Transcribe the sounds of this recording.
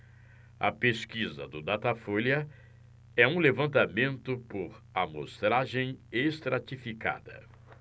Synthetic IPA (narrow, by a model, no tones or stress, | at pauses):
ɐ̰peskizɐ̰d̪ʊd̪at̪afoljɐ | ɛũlevɐ̃nt̪amẽnt̪ʊpoɾamo̰st̪ɾaʒẽj̃est̪ɾat͡ʃifika̰d̪ɐ̰